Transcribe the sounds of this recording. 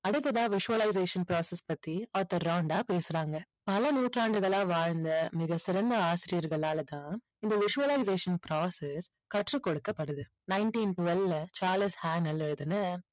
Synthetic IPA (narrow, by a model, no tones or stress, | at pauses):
ɐɽɯt̪ːɐðaːʋɪʂɯʋɐlɐɪs̬eːʂɐnpɾaːsɛspɐt̪ːiaːt̪ːɐɾːɐʊɳɖaːpeːsɯɾaːŋɡɐ | pɐlɐnuːʈraːɳɖɯɣɐɭaːʋaːɻnd̪ɐmɪɣɐsɪɾɐnd̪ɐaːsɪɾɪjɐɾɣɐɭaːlɐt̪ãː | ɪnd̪ɐʋɪʂʊʋɐlɐɪs̬eːʂɐnpɾaːsɛs | kɐʈrɯkːɔɽɯkːɐpːɐɽɯðɯ | nɐɪɳʈiːnʈʊʋɐllɐt͡ʃaːɾlɪshaːnɐlɛɻɯðɯnɯ